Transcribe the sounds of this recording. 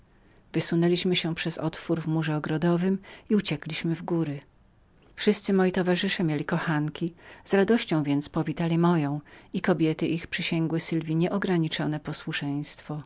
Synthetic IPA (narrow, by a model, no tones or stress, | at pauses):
vɘsunɛlʲiɕmɘɕɛpʂɛzɔ̰t̪fuɾvmuʐɛɔɡɾɔd̪ɔvɘmiut͡ɕɛklʲiɕmɘvɡuɾɘ | fʂɘst̪sɘmɔjit̪ɔvaʐɘʂɛmʲjelʲikɔxaŋkʲiz̥ɾad̪ɔɕt͡ɕɔ̃w̃vʲjɛnt̪spɔvʲit̪alʲimɔjɔ̃w̃ikɔbʲjɛt̪ɘʔixpʂɘɕɛŋɡwɘsɘlvʲiɲɛʔɔɡɾaɲit͡ʂɔnɛpɔswuʂɛj̃st̪fɔ